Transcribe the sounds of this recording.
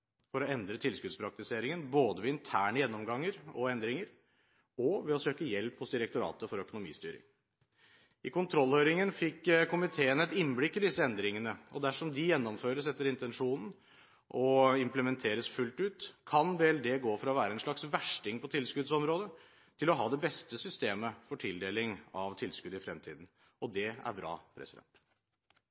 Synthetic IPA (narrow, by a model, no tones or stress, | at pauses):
fɔɾɔɛnd̪ɾət̪ʰɪlskʉd̪spʰɾɑk̚t̪ɪseːɾɪŋənboːd̪əʋɛɪnt̪ʰæːɳəjɛnːɔmɡɑŋːəɾɔɛnd̪ɾɪŋəɾ | ɔʋɛɔsøːkəjɛlphʊsd̪ɪɾək̚t̪ʊɾɑ̰ːt̪əfɔɾœkʊnʊmḭːst̪yːɾɪ̰ŋ | ʔɪkʊnt̪ʰɾɔlhøʏɾɪŋənfɪkːkʰʊmɪt̪ʰeːənɛt̪ɪnblɪkːɪld̪ɪsːəɛnd̪ɾɪŋənəɔd̪æʂɔmd̪ɪjɛnːɔmføːɾəsɛt̪ːəɾɪnt̪ɛnʂuːnn̩ | ʔɔɪmpləmɛnt̪ʰeːɾəsfʉlt̪ʉːt̪kʰɑnbeːɛld̪eːɡoːfɔɾɑɔʋæːɾəɛnʂɭɑksʋæʂʈɪŋpɔt̪ʰɪlskʉd̪sɔmɾoːd̪ə | t̪ʰɪlɔɦɑːd̪ɛbɛst̪əsʏst̪eːməfɔʈʰɪld̪eːlɪŋɑʋt̪ʰɪlskʉd̪ɪfɾɛmt̪ʰḭːd̪n̩ | ɔd̪ɛæ̰ɾbɾɑ̰ːpʰɾɛ̰sɪd̪ɛ̰nt̪